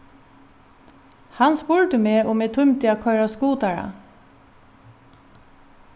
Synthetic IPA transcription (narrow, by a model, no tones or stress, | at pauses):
hɑnspʊɹt̪əmeːʔoːmeːt̪ʰʊmt̪ʰɪɑkʰœʏɹɑskuːt̪æɹɑ̰